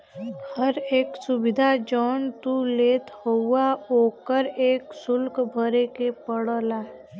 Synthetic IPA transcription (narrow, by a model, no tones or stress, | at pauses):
həɾeːksʊbɪd̪ʱad͡ʒɔːnt̪uleːt̪ɦoʊaoːkəɾeːksʊlkbʱəɾekepəɽəla